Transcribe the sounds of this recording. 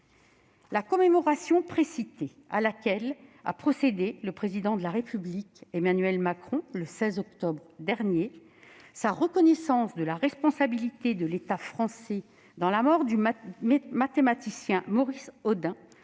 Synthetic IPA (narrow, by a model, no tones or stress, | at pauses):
lakɔmemɔʁasjɔ̃pχesit̪e | a̰lakʲɛla̰pχɔsed̪eləpχezid̪ɑ̃d̪əlaʁepyblikemanɥɛlmakχɔ̃ləsɛzɔkt̪ɔbʁd̪ɛʁnje | saʁəkɔnɛsɑ̃sd̪əlaʁɛspɔ̃sabilit̪ed̪əlet̪afχɑ̃sɛ | d̪ɑ̃lamɔʁd̪y | mat̪emat̪isjɛ̃mɔʁisɔd̪ɛ̃